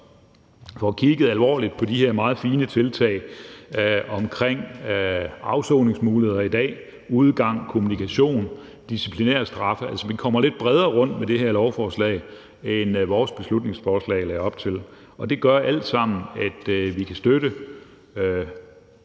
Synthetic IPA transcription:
fɒkʰiɡ̥ð̩ˠælʋɒ̰ːlid̥̚pʰɒ̽diheɐ̰mɑ̈ːð̞̩ˠfiːnət͡sʰe̝lt͡sʰɛ̰ɪ | ɒ̽mkʰʁeŋ̰ | ɑ̈ʊsɔʊne̝ŋsmuːlihe̝ð̰ˠɐid̥ɛ̰ː | uð̞ˠɡ̥ɑ̈ŋ̰kʰo̝munikʰæɕo̝̰ːn | d̥isipʰlinḛɐ̰sd̥ʁɑ̈fəælsəʋikʰɒ̽m̰ɐle̝d̥̚b̥ʁɛð̞ˠɐːʁɔ̽n̰d̥med̥e̝heɐ̰lɒʊfɒːslɛ̰ɪ | enʋɒːsb̥e̝slud̥̚ne̝ŋsfɒːslɛ̰ːɪlæːɐɒ̽b̥t͡sʰe̝l | ɒ̽d̥e̝ɡ̥ɶɐʔæl̰d̥sɑ̈m̰n̩æd̥ʋikʰæsd̥øɾə

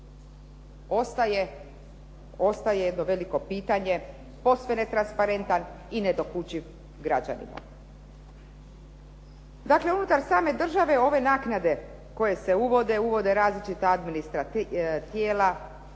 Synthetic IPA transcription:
oe | ost̪ajejed̪no̞ʋe̞liko̞piːt̪aɲe̞ | po̞sʋenet̪ɾanspaɾe̞nt̪an | ine̞d̪o̞kut͡ɕiʋ | ɡɾad͡ʑa̰nḭma̰ | d̪akle̞unut̪aɾsaːme̞d̪r̩ʒaʋe̞o̞ʋe̞naːknad̪e̞ | ko̞je̞se̞uʋo̞d̪euʋo̞d̪e̞ɾaːzlit͡ʃit̪aad̪minist̪ɾat̪jeːla

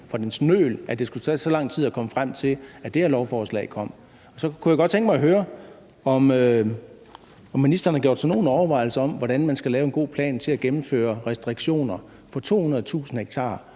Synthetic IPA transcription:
fɒd̥ensnø̰ːlʔæd̥e̝sɡ̥ut͡sʰɛ̰ːsɒ̽lɑ̈ŋ̰t͡sʰið̰ˠækʰɒ̽məfʁam̰t͡sʰe̝læd̥eæɐlɒʊfɒːslɛ̰ɪkʰɒ̽m̰ | ɒ̽sɒ̽kʰujaɡ̥ɒ̥t͡sʰeŋɡ̥əmɑ̈ɪɦøːɐ | ɒ̽mø | ɒ̽mːinisd̥ɐn̩hɑɡ̥jo̰d̥sɒno̝ːn̩ɒʊɐʋɑ̈ɪl̩səɒ̽mʋɒɾ̥ænmænsɡ̥ælɛːʊe̝nɡo̝̰ːpʰlɛ̰ːnt͡sʰe̝læɡ̥emm̩fø̰ːɐʁɛsd̥ʁiɡ̥ɕo̝̰ːnɐ | fɒ̽t͡sʰo̝̰ːhunɐð̩ˠt͡sʰṵːsn̩heɡ̥̚t͡sʰɑ̰̈ː

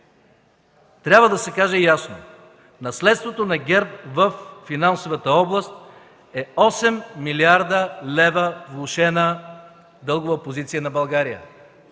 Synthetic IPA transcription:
t̪ɾʲabvəd̪ɐsɛkaʒɛjasno | nɐslɛt̪st̪vot̪onɐɡʲɛɾt̪̚vəfːinansovət̪əɔblˠəst̪̚ | ɛɔsɛmːiliaɾd̪əlɛvəvlˠoʃɛnə | d̪ɤlˠɡʊvəpozit̪sijənɐbɐlˠɡaɾijə̰

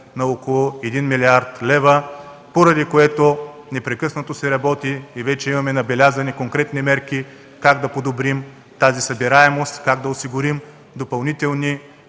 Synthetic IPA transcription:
nɐokolˠoɛd̪inmilʲiaɾt̪lɛvə | poɾɐd̪ikoɛt̪onɛpɾɛkɤsnɐt̪osɛɾɐbɔt̪iːvɛt͡ʃɛimɐmɛnɐbɛlʲazɐnikoŋkɾɛt̪nimɛɾki | kaɡd̪ɐpod̪obɾim | t̪azisɐbiɾaɛmost̪kaɡ̚d̪ɐosiɡʊɾim | d̪opɐlˠnit̪ɛlˠni

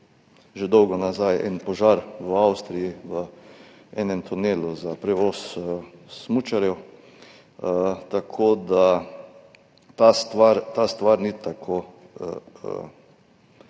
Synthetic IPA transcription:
ʒɛd̪ɔwɡɔnazajɛ̰npɔʒaɾʋawst̪ɾijiʋə | ɛːnɛmt̪ʰuneːluzapɾɛʋɔːs | smut͡ʃaɾjɛw | t̪akʰoːd̪a | t̪ast̪ʋaɾt̪ast̪ʋaɾnit̪akʰo

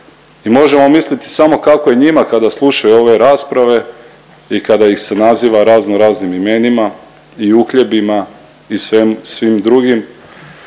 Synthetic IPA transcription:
imo̞ʒe̞mo̞mislit̪i̥samo̞kako̞je̞ɲimakad̪aslˠuʃajuo̞ʋe̞ɾaːspɾaʋe̞ | ikad̪aixse̞naziːʋaɾaːznoɾaːznimime̞nima | iukʎe̞bima | isʋemsʋimd̪ɾuɡim

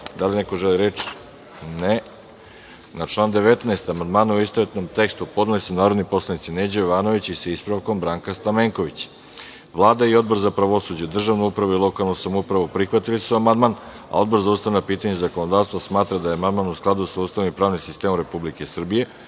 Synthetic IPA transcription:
d̪alineko̞ʒeliɾet͡ʃ | ne | nat͡ʃlˠaːnd̪e̞ʋet̪naest̪amand̪maːnuuist̪oet̪no̞mt̪e̞kst̪upo̞d̪nilisunaːɾod̪nipo̞slˠanit̪sineːd͡ʑojoʋaːno̞ʋit͡ɕisaispɾaʋko̞mbɾaːŋkast̪ameːŋkoʋit͡ɕ | ʋlˠaːd̪aio̞d̪̚bo̞ɾzapɾaʋo̞sud͡ʑed̪r̩ʒaʋnuupɾaʋuilˠo̞kalˠnusamoupɾaʋupɾixʋat̪ilisuamand̪man | a̰o̞d̪bo̞ɾzaust̪aʋnapiːt̪aɲezako̞nod̪aːʋst̪ʋasmaːt̪ɾad̪ajeamand̪maːnusklˠad̪usaust̪aʋnimpɾaːʋnimsist̪eːmomɾe̞publike̞sr̩bije̞

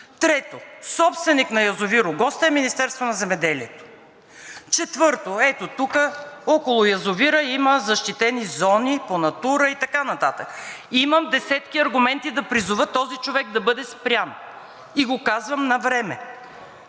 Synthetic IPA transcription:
t̪ɾɛt̪osɔpst̪vɛniknɐjɐzʊviɾʊɡɔst̪əɛminist̪ɛɾst̪vonɐzɛmɛd̪ɛliɛt̪o̥ | t͡ʃɛt̪vɤɾt̪oɛt̪ot̪ukəɔkolˠʊjɐzʊviɾəiməzɐʃt̪it̪ɛnizɔniponɐt̪uɾəit̪ɐkanɐt̪at̪əkiməmd̪ɛsɛt̪kiɐɾɡʊmɛnt̪id̪ɐpɾizʊvət̪ːɔzit͡ʃovɛɡ̚d̪ɐbɤd̪ɛspɾʲan | iɡokazvɐmnɐvɾɛmɛ

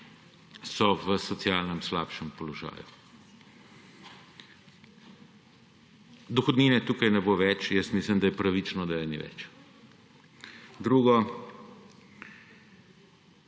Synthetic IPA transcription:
sɔʋəsɔt̪sjaːlnɛmsla̰ːpʃɛmpɔlɔʒa̰ːju | d̪ɔxɔd̪niːnɛt̪uːkajnɛboʋɛt͡ʃjəst̪miːslimd̪ajɛpɾaʋit͡ʃnɔd̪ajɛnḭʋɛ̰t͡ʃ | d̪ɾuːɡɔ

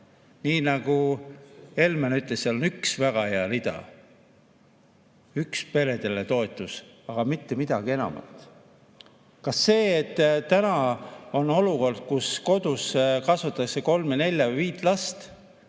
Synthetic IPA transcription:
niːnɑɡ̥u | e̞lmenyt̪lesselonyksvæɡ̥ɑheɑlid̪ɑ̰ | ykspe̞le̞d̪e̞let̪o̞et̪ːˑusɑɡ̥ɑmit̪ːemid̪̥ɑɡ̥ie̞nɑ̰mɑ̰lt̪ˑ | kɑsːe̞ːet̪ːt̪ːænɑo̞no̞luko̞rd̪̥̚kusko̞d̪̥uskɑsvut̪ːˑɑkseko̞lmene̞lʲjɑviːt̪ːˑlɑst̪

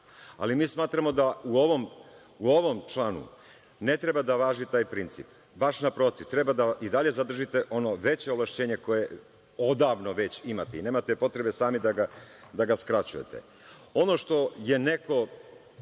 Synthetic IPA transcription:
a̰limiːsmaːt̪ɾamo̞d̪auo̞ʋo̞m | uo̞ʋo̞mt͡ʃlˠaːnṵ | ne̞t̪ɾebad̪aʋaːʒit̪aːjpɾint̪sḭp̚ | baʃnapɾo̞t̪iʋt̪ɾe̞bad̪aʔid̪aʎe̞zad̪r̩ʒit̪e̞ʔo̞no̞ʋe̞t͡ɕeoʋlˠaʃt͡ɕe̞ːɲe̞ko̞je̞ | o̞d̪aʋno̞ʋe̞t͡ɕimat̪eine̞ːmat̪epo̞t̪ɾe̞be̞saːmid̪aɡad̪aɡaskɾat͡ɕujḛt̪ḛ | o̞no̞ʂt̪o̞je̞ne̞ko̞

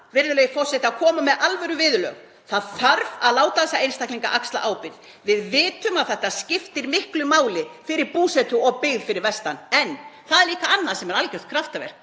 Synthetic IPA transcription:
vɪɾðʏlœjɪfɔr̥sɛt̪ɪakʰɔːmamɛðʔalvɛɾʏvɪðʏlœ̰ɣ | θaðθaɾvaðlaːwt̪aðsaeːjnst̪ahkliŋka̰ʔakst̪la̰ʔaːwpɪɾð | vɪðvɪːt̪ʏmaðθɛht̪ːascɪft̪ɪɾmɪhklʏmaːwlɪfɪɾɪɾpuːsɛt̪ʏɔɣpɪɣðfɪɾɪɾvɛst̪anɛnθaðɛɾliːkaanːaðsɛmɛɾalcœw̥t̪̚kʰɾaft̪avɛ̰ɾ̥k

